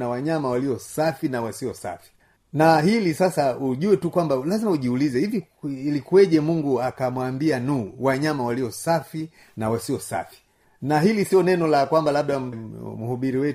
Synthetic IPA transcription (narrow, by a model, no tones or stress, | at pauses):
nawaɲamawaliɔsafinawasiɔsa̰fi̥ | naɦilisasauʄuwɛtukwambalazimauʄiulizɛhiviilikuwɛʄɛmuŋɡuakamwambianuːwaɲamawaliɔsafi | nawasiɔsa̰fi̥ | naɦilisiɔnɛnɔlakwambalaɓ̚ɗamuhuɓiɾiwɛ